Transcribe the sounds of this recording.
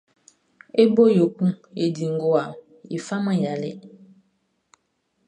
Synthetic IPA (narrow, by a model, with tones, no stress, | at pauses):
e˦bo˦jo˨ku˦e˨di˨ŋɡo˨a˨ | ḭ˨fa˦mə˦ja˨lḛ˦˨